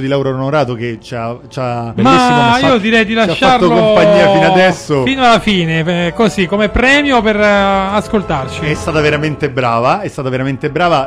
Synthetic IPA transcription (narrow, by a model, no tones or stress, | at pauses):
d̪ilawɾaɾnoɾaːt̪oket͡ʃat͡ʃamaesiiːod̪iɾɛjd̪ilaʃːarolkoompaɲːiːainad̪ɛsːofinoalːafiːnekozikːomepɾɛːmjoperaskolt̪art͡ʃiɛst̪aːt̪aveɾament̪ebɾaːvaɛst̪aːt̪aveɾament̪ebɾaːva